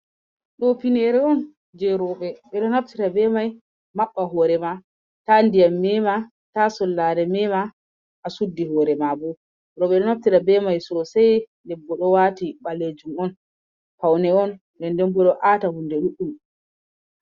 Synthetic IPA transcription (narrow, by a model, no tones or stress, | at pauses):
ɗɔpinɛɾɛɔn | d͡ʒɛɾɔɓɛɓɛɗɔnaftiɾabɛmaj | maɓːaɦɔːɾɛma | tandijamːɛma | tasɔlːaɾɛmɛma | ʔːsudːihɔːɾɛmabɔ | ɾɔɓɛɗɔnaftiɾabɛmajsɔɔsaj | lɛbːɔɗɔwatiɓaled͡ʒumɔn | pawnɛɔn | dɛndɛmɡɔɗɔʔatahundɛɗuɗːum